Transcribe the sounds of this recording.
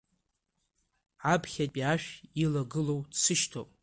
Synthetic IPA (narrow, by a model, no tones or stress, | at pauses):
ʕapʰχʲapʼiaʃᶣilaɡɨlo̞wdsɨʃtʰopʼ